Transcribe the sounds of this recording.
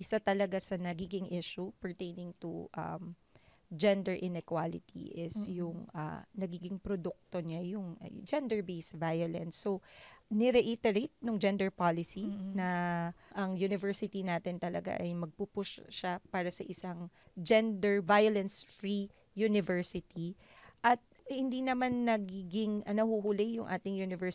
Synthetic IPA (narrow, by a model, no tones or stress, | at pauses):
ʔɪsat̪ɐlɐɡasɐnɐɡiːɡɪŋʔiʃupɛɹt̪ejnɪŋt̪uʔɐ̰m | d͡ʒɛnd̪ɛɹʔɪnɛkwalɪt̪ʰḭʔɪsjʊŋʔɐ̰nɐɡiːɡɪŋpɾod̪ʊk̚t̪oɲajʊŋ̰d͡ʒɛnd̪ɛɹbejsvajolɛ̰nsːonɪɾɛʔit̪ɛɾet̪̚nʊŋd͡ʒɛnd̪ɛɹpalɪsinɐʔɐŋjunɪvɛɹsɪt̪inaːt̪ɪnt̪ɐlɐ̰ɡa̰ʔɐjmɐɡ̚pupʊʃʃapaːɾɐsɐʔɪsaŋd͡ʒɛnd̪ɛɹvajolɛnsfɹi | junɪvɛɹsɪt̪i | ʔɐt̪̚hɪnd̪inɐmanːɐɡiɡɪŋɐnɐhuɦʊlɪjʊŋʔa̰ːt̪ɪŋjunɪvɛɹ